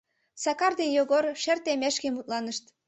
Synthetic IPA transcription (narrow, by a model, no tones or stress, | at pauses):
sɑkɑrd̪enjoɣorʃert̪emeʃkemut̪̚lɑnəʃt̪